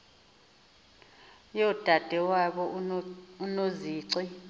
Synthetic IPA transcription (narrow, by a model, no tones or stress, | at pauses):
jɔd̥ʱad̥ʱɛwaɓɔ | unoziːǀi